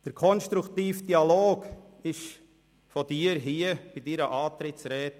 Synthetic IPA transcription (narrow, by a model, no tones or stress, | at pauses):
d̥əɾkʰɔnʃtɾukt̪iːfd̥iɑloːk | ɪʃ | fɔd̥iːəɾɦiəb̥ɪdiɾəʔɑːt̪ɾɪt͡sɾɛːt